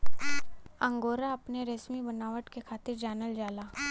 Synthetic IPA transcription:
ɐ̃ŋɡoːɾaɐpneɾesmibɐnaːʋəʈkekʰaːt̪ɪɾd͡ʒaːnəld͡ʒaːlaː

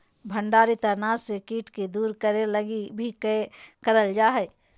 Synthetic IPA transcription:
bʱə̃ɳɖaːɾit̪əɾnasekiːʈked̪uːɾkəɾeləɡibʱikkəɾəld͡ʒaːɦɛ

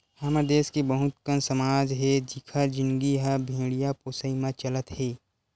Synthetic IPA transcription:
hɐməd̪eːskibəɦʊt̪kənsɐmaːd͡ʒɦɛd͡ʒɪkʰəd͡ʒɪ̃nɡiɦabʱĩːɽijapoːsəimãt͡ʃɐlət̪ɦeː

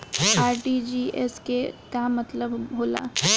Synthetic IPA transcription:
aːɾʈid͡ʒiːʔɛ̰skekamɐt̪ləbɦoːla̰ː

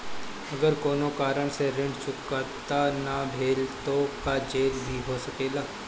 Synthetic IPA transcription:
ɐɡəɾkoːnokaːɾəɽ̃seɾɪ̃ɳɖt͡ʃʊkət̪anabʱeːlt̪okad͡ʒeːlbʱiɦoːsɐkeːɡaː

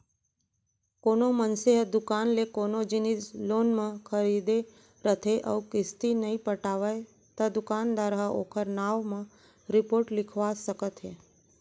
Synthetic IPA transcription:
konomənseɦəd̪ʊkanlekonod͡ʒinid͡ʒlonmãkʰəɾid̪e | ɾət̪ʰeʔə̰ʋkɪst̪inəĩpəʈaʋaj | t̪ad̪ʊkand̪aɾɦao̰kʰəɾnaʋmã | ɾɪpoɾʈlɪkʰʋasəkət̪ɦe

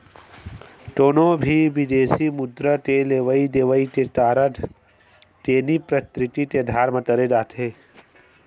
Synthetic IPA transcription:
ʈoːnobʱiʋid̪eːsimʊd̪ɾət̪eleːʋəid̪eːʋəit̪et̪aːɾəd̪ | t̪eːnipɾɐt̪ɾɪt̪it̪ed̪ʱaːɾmɐt̪ɐɾed̪aːt̪ʰeː

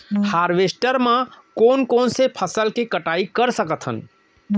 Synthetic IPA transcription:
haɾʋesʈəɾmãkonkonsepʰəsəlkekəʈaikəɾsəkət̪ʰɦə̰n

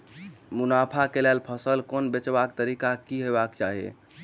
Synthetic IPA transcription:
munapʰakelɛlpʰəsəlkonbet͡ʃbakt̪əɾikakiɦebakt͡ʃaɦiḛ

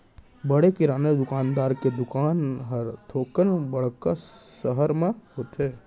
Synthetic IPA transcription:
bəɽekɪɾaːned̪ʊkaːnd̪aːɾked̪ʊkaːnɦəɾt̪ʰoːkənbəɽ̤kasəɦəɾmẽhoːt̪eː

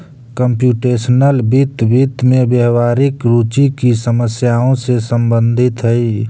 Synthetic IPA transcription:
kəmpjuːʈeːsənəlbit̪bit̪mẽbjəɦʋaːɾɪkɾuːt͡ʃikisəməsjaõsesəmbə̃nd̪ʱɪt̪ɦəi

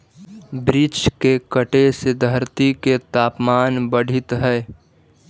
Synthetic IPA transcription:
bɾɪd͡ʒkekəʈesɪd̪ʱəɾt̪iket̪aːpmaːnbəɽ̤ʱɪt̪ɦɛː

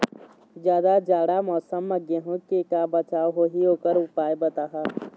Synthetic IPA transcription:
d͡ʒjaːd̪ad͡ʒaːɽamɔːsəmːəɡeɦõkekabət͡ʃaːwɦoɦioːkəɾʊpaːebət̪aɦa

